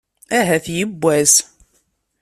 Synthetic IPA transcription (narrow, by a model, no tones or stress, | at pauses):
æɦæθjəbːæz